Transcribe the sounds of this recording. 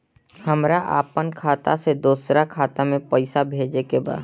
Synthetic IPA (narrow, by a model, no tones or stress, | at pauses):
hɐmɾaʔa̰ːpənkʰaːt̪a̰sed̪uːsɾakʰaːt̪amẽpəɪsabʱeːd͡ʒekeba̰ːd̪